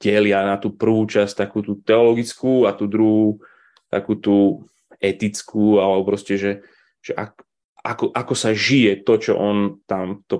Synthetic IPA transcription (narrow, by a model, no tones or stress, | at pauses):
ɟɛlɪanat̪uːpr̩ʋuːt͡ʃast̪akuːt̪uːt̪ɛɔlɔɡit͡skuːat̪uːd̪ɾuɦuː | t̪a̰kuːt̪uː | ɛt̪it͡skʰuːalɛbɔpɾɔscɛʒɛ | ʒ̥ɛʔa̰k | a̰kɔʔakɔsaʒijɛt̪ɔt͡ʃɔ̰ʔɔnt̪amt̪ɔ